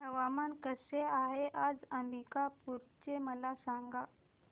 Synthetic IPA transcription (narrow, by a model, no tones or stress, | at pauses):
ɦəʋamankəseaɦeʔad͡zəmbikapuɾt͡ɕeməlasaŋɡa